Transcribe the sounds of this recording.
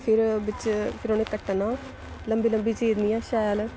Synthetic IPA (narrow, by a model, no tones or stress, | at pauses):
pʰɪɾbɪt͡ʃpʰɪɾoːnẽːkəʈːnaː | ləmbiːləmbiːt͡ʃeːd̪niːaːʃaːjəl